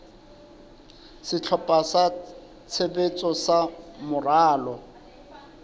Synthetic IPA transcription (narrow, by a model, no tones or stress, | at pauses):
sɪt͡ɬʰɔpʼasa | t͡sʰebet͡sʼɔsamʊraːlɔ